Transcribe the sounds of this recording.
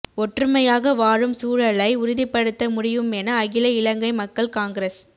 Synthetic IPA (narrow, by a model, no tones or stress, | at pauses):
ɔʈrɯmɐjaːɣɐʋaːɻɯmsuːɻɐɭɐɪʊɾʊðɪpːɐɽɯt̪ːɐmʊɽɪʋɯmɛnɐːɣɪlɐɪlɐŋɡɐɪmɐkːɐɭkaːŋɡɾes